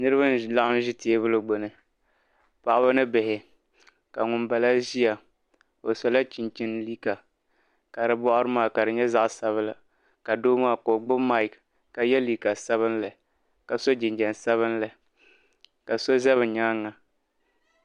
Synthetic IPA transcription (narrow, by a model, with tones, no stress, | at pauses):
nɨ˦ɾɨ˦βa˦n˦la˦ʔʊ˦m˦ʒɪ˦te˦e˦βʊ˦lɨ˨ɡ͡bo˨nɨ˨ | pa˨ʔa˦ba˦nɨ˦bɪ˨hɪ˨ | ka˨ŋʊ˨nba˨la˦ʒi˦ja˨ | o˨so˨la˦t͡ʃi˨nt͡ʃɪ˦nliː˦ka˨ | ka˨ɾɨ˨bɔ˦ʔʊ˦ɾɨ˦maː˨ka˨ɾɨ˨ɲɛ˦za˦ʔsa˨βɨ˦la˨ | ka˨doː˦maː˦ko˨ɡ͡bʊ˦ma˦ɪ˨k | ka˨jɛ˦liː˨ka˨sa˦βɨ˦nla˨ | ka˨so˦d͡ʒɪ˨nd͡ʒɛ˨nsa˦βɨ˦nla˨ | ka˨so˦zɛ˦βɨ˨ɲaː˦ŋːa˨